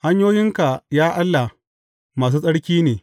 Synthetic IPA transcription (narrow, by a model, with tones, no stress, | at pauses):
ha˦ɲjoː˦jɪ˦ŋka˨jaː˦ʔa˦lːa˨ | maː˨s̬uː˦sʼɐ˦ɽkʲiː˦neː˨